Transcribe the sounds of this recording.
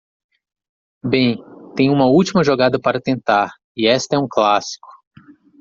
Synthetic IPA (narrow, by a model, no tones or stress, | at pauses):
bẽj̃t̪ẽj̃ũmɐuwt͡ʃimɐʒoɡad̪ɐpaɾɐt̪ẽnt̪aɾ | ɪɛst̪ɐɛũklasi̥kʊ̥